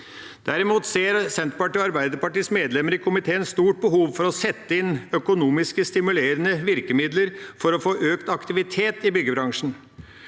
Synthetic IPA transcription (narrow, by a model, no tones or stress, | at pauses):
d̪̥æɾɪmuːt̪seːɾsɛnt̪pɑʈiːɔɑɾbæɪd̪əpɑʈiːsmeːd̪lɛməɾɪkʰʊmɪt̪ʰeːənst̪uːʈ̚bəɦuːʋfɔɾɔsɛt̪ːəɪnœkʊnuːmɪskəst̪ɪmʉleːɾənəʋɪɾkəmɪd̪ləɾfɔɾɔfoːʔøːkt̪ɑkt̪ɪʋɪt̪ʰeːt̪ɪbʏɡəbɾɑŋʂɳ̩